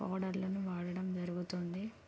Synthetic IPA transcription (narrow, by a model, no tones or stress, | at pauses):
a̰ːɽɐɾlɐnuʋaːɽɐɽɐmd͡ʒɐɾuɡut̪ond̪i